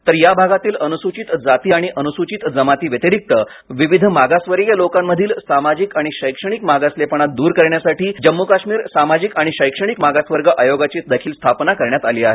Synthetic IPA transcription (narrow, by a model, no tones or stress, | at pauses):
t̪əɾjabʱaɡat̪iːlənusut͡ɕit̪d͡zat̪iːaɽ̃iʔənusut͡ɕit̪d͡zəmat̪iːʋjət̪iɾik̚t̪ə | ʋiʋid̪ʱmaɡasʋəɾɡjalokamːəd̪ʱiːlsamad͡ʑikaɽ̃iɕəjkʂəɳ̃ikmaɡaslepəɳ̃at̪̚d̪uːɾkəɾɳjasaʈiːd͡ʑəmːukaɕmiːɾsamad͡ʑikaɽ̃iɕəjkʂəɳ̃ikmaɡasʋəɾɡəʔajoɡat͡ɕiːt̪̚d̪əkʰiːlst̪ʰapnakəɾɳjat̪aliːaɦḛ